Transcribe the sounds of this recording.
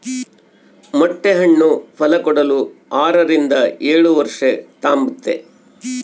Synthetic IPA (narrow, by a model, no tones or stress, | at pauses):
mɔʈːeɦɐɳːupʰɐlɐkɔɽɐluaːɾɐɾind̪ɐeːɭuʋɐɾʂɐt̪aːmbut̪ːḛ